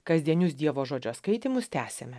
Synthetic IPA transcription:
kɐzʲd̪ʲiɛnʲʊs̬d̪ʲiɛʋoːʒoːd͡ʒʲoːskɐɪt̪ʲimʊst̪ʲæːsʲemʲɛ

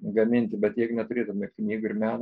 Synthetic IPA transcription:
ɡɐmʲɪnʲt̪ʲɪbʲɛt̪jɛɪɡʊnʲɛt̪ʊɾʲeːt̪ʊmʲɛknʲiːɡʊɪɾmʲæːn

